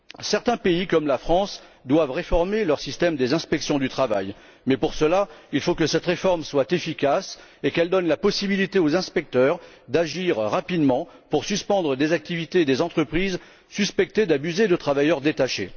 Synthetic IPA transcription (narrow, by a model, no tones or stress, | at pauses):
sɛʁt̪ɛ̃peikɔmlafχɑ̃sd̪wavʁefɔʁmelœʁsist̪ɛmd̪ezɛ̃spɛksjɔ̃d̪yt̪χava̰j | mɛpuʁsəlailfokəsɛt̪ʁefɔʁmswat̪efikʲas | ekɛld̪ɔnlapɔsibilit̪eozɛ̃spɛk̚t̪œʁ | d̪aʒiʁːapid̪mɑ̃ | puʁsyspɑ̃d̪ʁəd̪ezak̚t̪ivit̪ed̪ezɑ̃t̪χəpχiz | syspɛk̚t̪ed̪abyzed̪ət̪χavajœʁd̪et̪aʃe